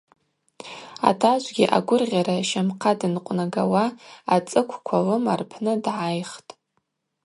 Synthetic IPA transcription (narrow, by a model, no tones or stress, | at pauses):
a̰tʰaʒʷɡʲiʔa̰ɡʷʊrʁʲaɾaʃamqʰadɨnqʷʼnaɡawaːt͡sʼɨkʷʰkʷʰalɨmarpʰnɨdʕajχtʼ